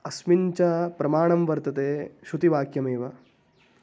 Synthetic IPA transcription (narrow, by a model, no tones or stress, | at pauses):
ɐsmiɲt͡ʃɐpɾɐmaːɳɐmʋɐɾt̪ɐt̪eːʃut̪iʋaːkjɐmeːʋɐ